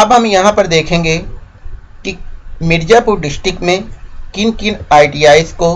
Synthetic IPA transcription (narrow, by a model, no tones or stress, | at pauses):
ɐbɦɐmjɐɦãpɐɾd̪eːkʰẽːŋɡeː | kimɪɾd͡ʒaːpʊɾɖɪsʈɾɪkmẽkɪnkɪnaːɪʈiːaːɪsko